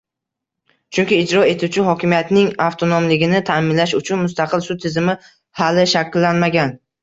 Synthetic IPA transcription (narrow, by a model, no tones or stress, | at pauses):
t͡ʃʰʊŋkʲɪːd͡ʒɾɒe̞t̪ʰut͡ʃʰɪɦɒkʲɪmijat̪nɪŋaft̪ʰonomlɪɡʲɪnɪt̪ʰaːmɪnlaʃʊt͡ʃʰʊnmʊst̪ʰaqʰɨlsʊt̪ʰɪzɪmɪ | halɪʃakʲːɪlːanmaɡʲan